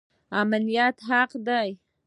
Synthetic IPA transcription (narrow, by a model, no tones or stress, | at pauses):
amalijat̪ɦaqd̪aj